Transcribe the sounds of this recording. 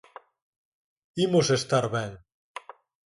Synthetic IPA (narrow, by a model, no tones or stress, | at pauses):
imosest̪aɾβɛŋ